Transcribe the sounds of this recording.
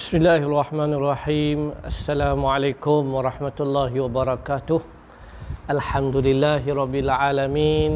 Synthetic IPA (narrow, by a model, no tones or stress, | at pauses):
bɪsmɪlːaːhʔarˤːɑħmaːnʔɑrˤːɑħiːmʔasːalaːmʊʕalejkʊmwɑɾˤɑħmat̪lˤːɑːɦɪwabɑɾˤɑkaːt̪ʊh | ʔalħamd̪ʊlɪlːaːɦɪɾˤɑbːɪlʕaːlamiːn